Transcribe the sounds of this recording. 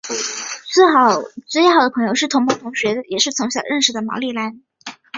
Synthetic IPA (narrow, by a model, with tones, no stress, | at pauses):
t͡sw̩˥˩xɑ˨˩ʊt͡swe˥˩ɪɑ˥˩ʊd̪ə˩pʰɤ˧˥ŋjo˧ʊʂɻ̩˥˩t̪ʰʊ˧˥ŋmʰɤ˧˥˩t̪ʰʊ˧˥ŋɕɥɛ˧˥jɛ˨˩ʂɻ̩˥˩t͡sʰɤ˧˥ŋɕjɑ˨˩ʊɻə˥˩nʂɻ̩˨˩d̪ə˩mɑ̰˧˥li˥˩la˧˥n